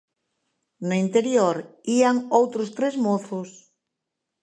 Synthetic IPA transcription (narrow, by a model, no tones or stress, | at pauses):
nʊint̪eɾjoɾiaŋowt̪ɾʊst̪ɾezmoθʊs